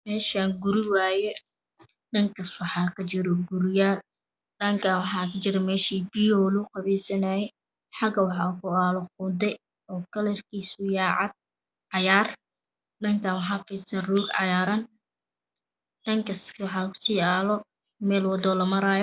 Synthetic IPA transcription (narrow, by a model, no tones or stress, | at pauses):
mɛːʃaːŋɡʊɾɪwaːjɛ | ɖɐŋkʰɐswɑħɑːkʰɐt͡ʃɪɾɔɡʊɾɪjaːl | ɖɐŋkʰaːnwɑħɑːkʰɐt͡ʃɪɾɛmɛːʃiːbiːɔːluqɑβɛːsɐnaːjɛj | ħɑɡɐwɑħɑːkʰʊaːlɔqʊd̪ɛ | ɔːkʰɐlɛrkʰiːsʊjaːʕɑd̪̚ | ʕɑjaːr | ɖɐŋkʰaːnwɑħɑːfɛsɐruːɡʕɑ̰jaːɾɐn | ɖɐŋkʰɐskwɑħɑːkʰʊ̥siːaːlɔ | mɛːlwɑd̪ɔːlɐmɐɾaːjɔ